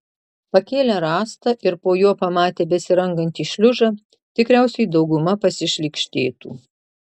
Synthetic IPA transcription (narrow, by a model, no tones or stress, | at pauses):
pɐkʲeːlʲæɾɑːst̪ɐʔɪɾpoːjuɔpɐmɑːt̪ʲeːbʲɛsʲɪɾɐŋɡɐnʲt̪ʲiːʃʲlʲʊʒɑ | t̪ʲɪkɾʲæˑʊsʲɛɪd̪ɒʊɡʊmɐpɐsʲɪʃʲlʲɪkʃʲt̪ʲeːt̪ṵː